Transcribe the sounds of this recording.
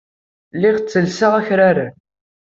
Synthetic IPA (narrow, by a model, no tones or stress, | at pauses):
lːɪʁt͡sːəlsaʁæçɾaɾa